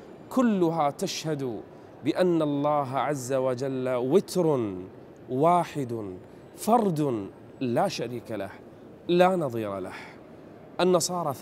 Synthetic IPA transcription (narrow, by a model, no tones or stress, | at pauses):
kʊlːʊɦat̪aʃhad̪ | bɪʔanːalˤːɑːɦaʕazːawad͡ʒalːawɪt̪ɾʊ | waːħɪd̪ | fɑɾˤd̪ | laːʃaɾiːkala̰h | laːnɑðˤiːɾɑ̰la̰h | ʔanːɑsˤɑːɾˤɑ